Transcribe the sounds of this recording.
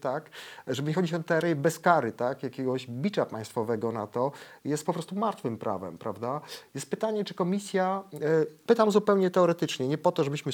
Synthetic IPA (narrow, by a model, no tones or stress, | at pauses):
t̪akʐɛbɘɲɛxɔd͡ʑit͡ɕɛnt̪ɛɛɾɛjɛbɛskaɾɘt̪akjakʲɛɡɔʑbʲit͡ɕapã̰j̃st̪fɔvɛɡɔna̰t̪ɔjɛst̪̚pɔpɾɔst̪umaɾt̪fɘmpɾʔa̰vɛ̰mpɾʔa̰vd̪ajɛst̪̚pɘt̪aɲɛt͡ʂɘ̥kɔmʲisʲja | pɘt̪amzupɛwɲɛt̪ɛɔɾɛt̪ɘt͡ʂɲɛɲɛpɔt̪ɔʐɛbɘɕmɘ